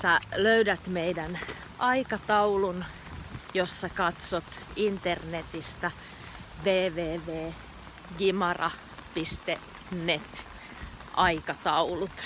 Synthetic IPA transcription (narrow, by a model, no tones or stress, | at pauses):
sæløydæt̪meidæn | ɑikɑt̪ɑulun | josːɑkɑt̪sot̪int̪ernet̪ist̪ɑ | ʋeːʋeːʋeː | ɡimɑrɑ̰ | pist̪e | nnːet̪ | ʔɑikɑt̪ɑulut̪